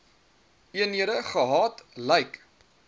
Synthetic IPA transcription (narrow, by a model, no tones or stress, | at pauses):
iəniəɾəχəɦɑːtlɛjk